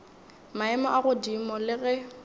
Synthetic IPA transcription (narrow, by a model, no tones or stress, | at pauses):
maɛmɔʔaɣʊdimɔlɪɣɛ